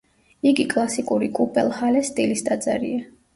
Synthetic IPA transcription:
iɡikʼlˠasikʼuɾikʼupʼɛlˠhalɛst̪ʼilisd̪ad̪zaɾḭa

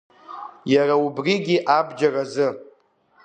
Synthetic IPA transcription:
jaraubriɡʲiʔabd͡ʒarazɨ

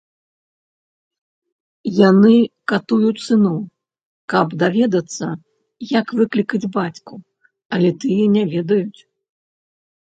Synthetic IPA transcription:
janɨkat̪ujut͡sʲsɨnɔw | kɐbd̪avʲɛd̪ɐt̪sːɐ | jakvɨklʲikɐd͡zʲbat͡sʲku | ɐlʲɛt̪ɨjɛnʲavʲɛd̪ɐjut͡sʲ

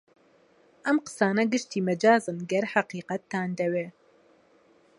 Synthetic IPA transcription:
ʔɐmqə̥saːnɐɡɨʃt̪iːmɨd͡ʒaːzɨnɡɛɾħaqiːqɐt̪ːaːnd̪ɛweː

